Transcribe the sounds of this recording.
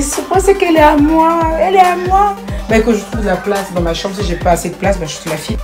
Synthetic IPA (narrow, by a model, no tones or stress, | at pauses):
səpãsɛkɛlɛamwaøɛlɛamwabɛkɔ̃ʒət̪uvd̪əlaplasd̪ɑ̃maʃɑ̃bʁəsiʒɛpaːsed̪ə̥plasbɛʒəsilafi